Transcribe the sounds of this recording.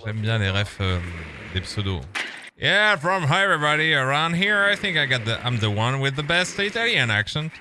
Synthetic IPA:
ʒɛmbjɛ̃leʁɛfø | d̪epsod̪o̰ | jæfɹʌ̃mɦaɛvɹibɑɾiə˞ãʊ̃ndɦiɹajθɪ̃ŋkaɪɡɑt̪̚ðəʔã̰ɪ̃mðəwʌ̃nwɪðəbɛstttæliə̃næ̰kʃə̃n

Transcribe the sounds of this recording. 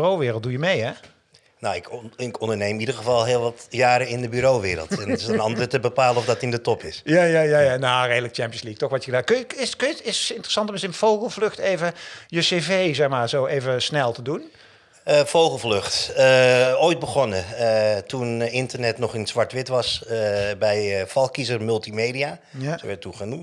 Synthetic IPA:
rowʋɪːrəlˠt̚dujəmejɛ | noɪkɪkɔndəɹnejmidərɣəvɑlˠɦɪəlˠʋɑtjaːɾəɪndəbyɾowʋɪːɾə̰lˠtɛnɪsənɑntətəbəpaːləɔfdɑtɪndətɔpɪsjajajajanareːdələk̚t͡ʃɛmpjənsliək̚tɔxʋɑtjəɣədaːkøjəɪskøjəɪsɪntrəsɑntəməsɪnfowɣəlˠvlɵxtejvəjəsevejzɛxmaːɹzowejvəsnɛlˠtədun | fowχəlˠvløχtəoːjt̚bəχɔnəətunɪntəɹnɛtnɔχɪnzʋɑɹtʋɪtʋɑsbɛjfɑlˠkizərmʏlˠtimejdia | soʋɛɹtuχənum

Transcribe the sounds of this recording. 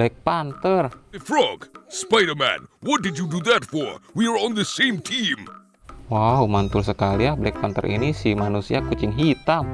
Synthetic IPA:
bɛk̚pant̪ərɨfɹɔɡspaɪɾə˞mæ̰̃nwɔt̚dɨd͡ʒuduðətfɔɹwiə˞ɔ̃nðəsẽɪ̃mtʰĩm | waumant̪ʊlsəkaliahblɛk̚pant̪ə̰ɾʔḭnisimanusiakut͡ʃɪŋɦit̪am

